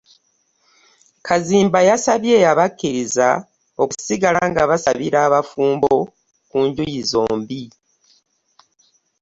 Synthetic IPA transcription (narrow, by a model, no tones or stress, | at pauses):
kʰaziːmbajasaβje̞aβakːiɾiza | o̞ku̥siɡalaŋɡaβasaβiɾaːβafuːmbo̞ | kuːɲɟujizo̞ːmbi